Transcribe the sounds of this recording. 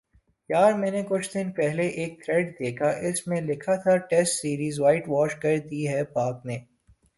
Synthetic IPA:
jaːɾmɛ̃ːnekʊt͡ʃʰd̪ɪnpɛɦleʔeːk̚t̪ʰɾɛɖd̪eːkʰaʔɪsmẽlɪkʰat̪ʰaʈɛsʈsiːɾiːzʋaːɪʈʋɔːʃkɐɾd̪iɦɛpaːkneː

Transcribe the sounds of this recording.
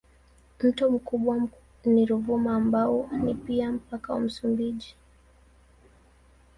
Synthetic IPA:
m̩tɔm̩kuɓwa | niɾuvumaːmbaɔnipiam̩pakawa̰m̩sumbiʄi

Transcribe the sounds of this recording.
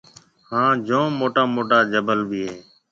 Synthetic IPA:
hãːd͡ʒõːmoːʈaːmoːʈaːd͡ʒəbəlbʱiːɦeː

